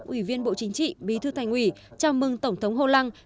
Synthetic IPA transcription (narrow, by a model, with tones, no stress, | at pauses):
k̚ʔwi˧˩vi˧ənɓo̰˧˨t͡ɕï˨˦ŋ̟t͡ɕḭ˧˨ɓi˨˦t̪ʰɨ˧t̪ʰa˨˩jŋ̟ʔwi˧˩t͡ɕaː˧wmɨ˧ŋt̪ə˧˩wŋ͡mt̪ʰə˨˦wŋ͡mɦo˧la˧ŋ